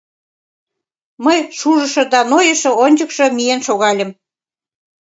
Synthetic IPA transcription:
məjʃuʒə̆ʃɤ̆d̪ɑnojə̆ʃɤ̆onʲd͡ʑəkʃɤ̆mijenʃoɣɑlʲə̆m

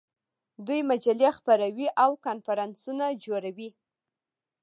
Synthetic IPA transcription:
d̪ujmad͡ʒalexpaɾawiʔawkɑnfaɾɑnsunad͡ʒoɾawi

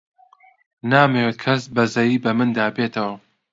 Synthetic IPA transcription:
naːmewet̪̚kʰɐsbɐzɐjiːbɐmɨnd̪aːbeːt̪ʰɐwɐ

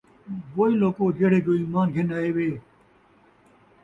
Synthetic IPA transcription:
ʋoːiloːkoːd͡ʒeːɽeːd͡ʑoːiːmaːnɡʱɪnaːeːʋeː

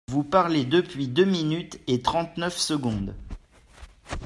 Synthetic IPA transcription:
vupaʁled̪əpɥid̪øminyt̪et̪χɑ̃t̪nœfsəɡɔ̃d̪

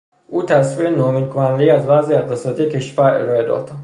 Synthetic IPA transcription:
ʔuːt̪ʰæsviːenɒːmiːd̪̚kʰonænd̪eiːæzbæːziːeqt̪esɒːt̪ʰijecʰe̞ʃfæɾe̞̰ɾɒːe̞d̪ɒ̰d̪̥

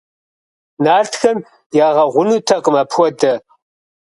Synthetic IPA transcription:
naːɮtxɐm | jaːʁɐʁʷʊnutʰɐqəmapʰxʷɔdʰɐ

